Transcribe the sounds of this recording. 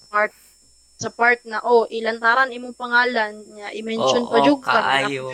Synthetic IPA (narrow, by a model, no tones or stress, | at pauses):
pat̪̚ | sɐpaɹt̪̚nɐʔoʔɪlɐnt̪aːɾaŋɪmoŋpɐŋaːlɐnːɐʔɪmɛnʃonpɐd͡ʒʊɡɐ